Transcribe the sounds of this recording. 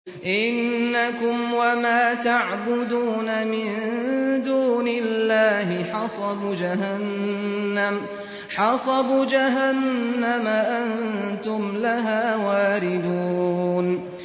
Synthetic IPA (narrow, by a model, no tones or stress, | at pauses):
ʔɪnːakʊmwamaːt̪aʕbʊd̪uːnamɪnd̪uːnɪlːaːhɪħɑsˤɑbd͡ʒaɦanː | am | ħɑsˤɑbʊd͡ʒaɦanːamaʔannt̪ʊmlaɦaːwaːɾɪd̪uːn